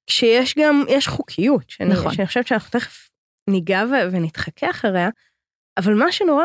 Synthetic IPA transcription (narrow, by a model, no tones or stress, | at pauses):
kʃejeʃɡamjɛʃχukʰijutʃenaχʃeaniχoʃevt̪ʃeanaχnut̪eχef | niɡavevenit̪χakʰeaχaʁea | avalmaʃeno̞ʁa